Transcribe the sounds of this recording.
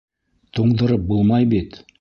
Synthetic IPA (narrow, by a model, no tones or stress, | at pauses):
t̪ʰoɴd̪ɤ̆ɾɤp̚bulˠmɑjbit̪